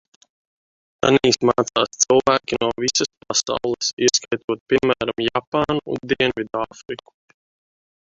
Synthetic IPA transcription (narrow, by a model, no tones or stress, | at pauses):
a̰niːsmaːt̪saːst̪silˠvæːkʲinuɔvisaspasa̰wlˠesiskajt̪uɔt̪̚pʲimmæːɾamjapaːnṵːnd̪iɛnvid̪aːfɾiku̥